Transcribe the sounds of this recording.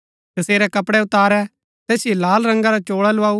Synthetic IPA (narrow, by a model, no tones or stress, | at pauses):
t̪ɐseːɾɛkɐpɽɛʊt̪aːɾɛ | t̪ɛːsijelaːlɾɐ̃ŋɡaɾat͡ʃoːɽalʊaːu